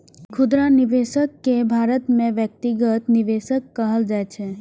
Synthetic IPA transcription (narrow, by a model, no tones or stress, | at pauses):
kʰʊd̪ɾaniʋeʃəkːebʱaɾət̪mẽʋjək̚t̪iɡət̪niʋeʃəkːəɦəld͡ʒajt͡ʃʰe